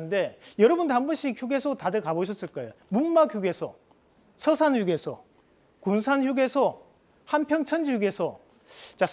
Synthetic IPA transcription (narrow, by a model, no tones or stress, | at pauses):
ɯnde̞jʌɾʌbundambuɕ͈ʰiçjuɡe̞sʰotadɯkaboɕʰʌs͈ɯɭk͈aeo | munːakjuɡe̞sʰʌ | sʰʌsʰanjuɡe̞sʰʌ | kunsʰançjuɡe̞sʰʌ | hanpʰjʌŋt͡ɕʰʌnd͡ʑijuɡe̞sʰʌ | t͡ɕa